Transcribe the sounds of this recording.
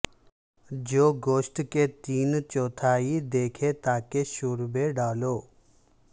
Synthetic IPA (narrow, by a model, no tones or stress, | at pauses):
d͡ʒoːɡoːʃʈket̪iːnt͡ʃɔːt̪ʰaːid̪eːkʰet̪aːkeʃuːɾbeɖaːloː